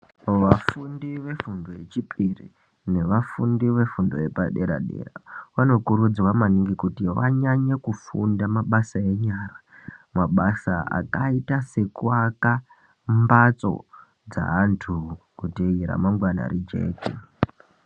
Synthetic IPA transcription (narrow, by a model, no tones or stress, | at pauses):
ʋafundiʋe̞fundo̞jet͡ʃipʰirḭ | ne̞ʋafundiʋe̞fundo̞̰jepaɗe̞ɾa̰ɗe̞̰ːra̰ʋano̞kuɾud͡zwamaniŋɡikutiʋa̰ɲaɲakufundamaɓasae̞ɲaːra | maɓasaa̰kaitase̞kuwaka | mbat͡so̞̰ | d͡za̰ɦantʰu | kuteiɾa̰maŋɡwana̰ɾid͡ʒe̞̰ːki